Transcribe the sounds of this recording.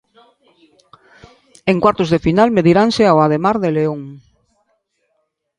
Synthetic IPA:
eŋkwaɾt̪ozðefinalmeðiɾanseawaðemaɾðeleoŋ

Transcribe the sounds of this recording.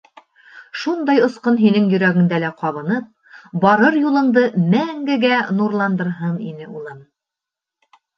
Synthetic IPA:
ʃund̪ɑjŏsqɤnɦinɘŋjɵ̆ɾæɡɘ̆ŋd̪ælæqɑβɤ̆nɤp̚ | bɒɾɤɾjulˠɤ̆ɴd̪ɤmæŋɡɘ̆ɡænuɾlˠɑnd̪ɤ̆ɾɦɤnḭnɘulˠɤn

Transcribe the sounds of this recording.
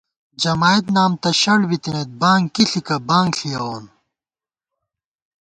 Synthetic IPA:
d͡ʑɐmaːit̪naːmt̪ɐɕɐɽbit̪ẽet̪̚bãːŋkiɬikɐbãːŋɡɬijɐoːn

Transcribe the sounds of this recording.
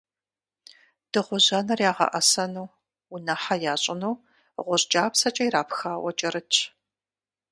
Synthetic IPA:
d̥ɨʁʷʊʑɐnɐrjaːʁɐ̰ʔɐsɐnuː | unɐħajaːɕʼɪnuw | ʁʷʊɕʼd͡ʒʼaːpsɐt͡ʃʼɐjɾaːpxaːwʷɐt͡ʃʼɐɾɨt͡ʃʰʼ

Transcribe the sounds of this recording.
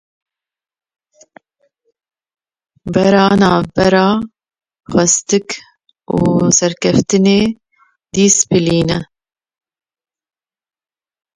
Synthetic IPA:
bɛɾɑːnɑːbɛɾɑː | xɛst̪ɨk | uːsɛɾkɛft̪ɨneː | d̪iːsbɨliːnɛ

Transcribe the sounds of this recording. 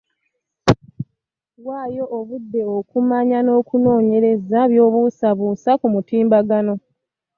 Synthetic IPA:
waːjo̞ːβudːe̞okumaɲano̞ːkuno̞ːɲe̞ɾe̞zaβjo̞ːβusaβuːsakumutiːmbaɡano̞

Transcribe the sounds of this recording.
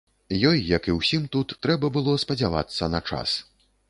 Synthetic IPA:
jɔjːɐkiwsʲimt̪ut̪ːɾɛbɐbɨlˠɔspɐd͡zʲava̰t̪sːɐnɐt͡ʂa̰s

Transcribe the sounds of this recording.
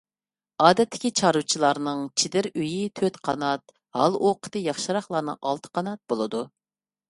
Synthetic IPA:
ɑːd̪ɛt̪ʰːɪ̥kʲit͡ʃʰɑɾut͡ʃʰilˠɑɾnɨŋt͡ʃʰid̪ɪɾyjit̪ʰøt̪qʰɑ̰nɑt̪ | hɑ̰lˠʔoqʰə̥t̪ɨjɑχʃɨɾɑχlˠɑɾnɨ̰ŋʔɑ̰lˠt̪ʰə̥qʰɑnɑt̪̚bolˠɨd̪u

